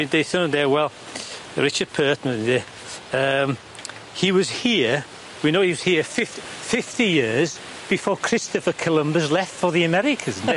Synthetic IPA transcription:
ɪ̃ndeɪθõnə̃nðɛwɛlˠɹɪt͡ʃəd̚pʰɜːˑtməðɛ | əm | hiwɒz̥hiə | winoʊhiwɒz̥hiəfɪffɪftijɪəz | b̥ɪfɔːkʰɹ̥ɪstəfəkʰəlˠə̃mbəzlɛftfəðiəmɛɾɪkʰə̃z̃n

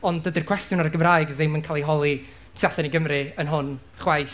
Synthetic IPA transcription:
ɔndədirkʰw̥ɛstjʊnaɾəɡəmraːjɡðɪmənkʰaːlˠiɦɔlˠi | tʰaθɛniɡəmrɨənɦʊn | χwajθ

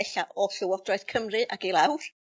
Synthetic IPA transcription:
ɛɬaʔɔɬʊwɔd̥rɔjθkʰəmrɨʔaɡilˠawr

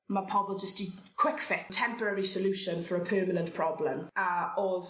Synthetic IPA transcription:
məpʰɔbəlˠd͡ʒəsd̥ɪkʰw̥ɪkfɪktʰɛ̃mpəɹəɹisəljuʃə̃nfəɹəpʰɜːmənə̃nʔpʰɹ̥ɔblə̃məɔð

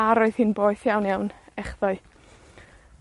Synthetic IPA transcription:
aɾoɨð̥hiːnboːɨθjawnjawnɛχðɔɨ

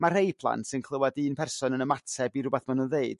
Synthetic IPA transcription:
mar̥hejpʰlˠa̰ntsɪnkʰlˠəwadiːnpʰɛrsɔnənəmatʰɛbiɾʊbaθmanunðeɨd̥

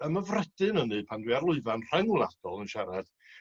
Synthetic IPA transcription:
əməvrɛd̥ɨnənɨpʰandwiarlˠʊɨvanr̥ɛŋulˠad̥ɔlˠənʃɛɾɛd̥

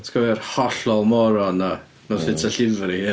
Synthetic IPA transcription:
tʰkʰɔvɛrhɔɬɔlˠmɔɾɔna | nɔsɪtʰaɬɪðɾihi

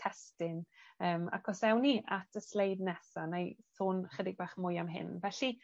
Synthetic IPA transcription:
tʰɛstɪnəːma̰kʰɔsɛwniatʰəslejdnɛsanejsoːnχədɪɡ̚baχmʊjamɦɪ̰nvɛɬi

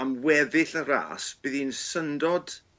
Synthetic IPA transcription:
amwɛðɪɬəɾa̰ːsb̥ɪðinsəndɔd̥

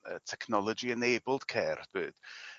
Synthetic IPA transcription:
ətʰɛkʰnɔlˠɔd͡ʒiənejbəlˠd̥kʰɛːrb̥ɨːd̥

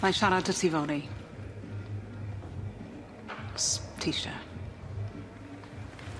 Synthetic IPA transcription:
majʃaɾadətʰivɔni | stʰiʃa̰

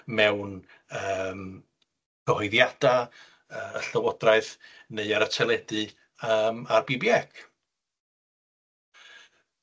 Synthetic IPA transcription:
mɛwn | əːm | kʰəhɔɨðjad̥a | əəɬəwɔdraɨðneɨaɾətʰɛlˠɛdɨ | əːmarbibjɛkʰ

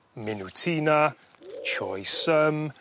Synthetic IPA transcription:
mɪnutʰiːna | t͡ʃʰɔ̰jsəm

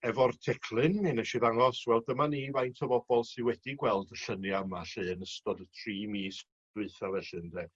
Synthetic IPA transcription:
ɛvɔrtʰɛkʰlˠɨnmɨnɛʃiðaŋɔswɛlˠdəmanivajntʰɔvɔbɔlˠsɨwɛd̥iɡwɛlˠdəɬənjamaɬɨːnəstɔdətʰriːmiːs | d̥wɪɨθavɛɬɨndeː

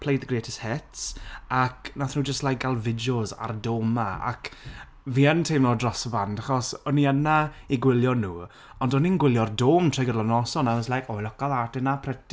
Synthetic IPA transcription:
pʰlejd̪ðəɡreːtʰəshɪtsaknaθnuːd͡ʒəstlajk̚ɡ̥alˠvɪdoza̰rdoːmaa̰k | viːəntʰejmlɔdrɔsəbandaχɔsɔniənaiɡwɪlˠjɔnuː | ɔndɔninɡwɪlˠjɔrdoːmtʰrɔjɡədlanɔsɔnaməslˠajkɔjlɔkaðatɛnapʰrɛt

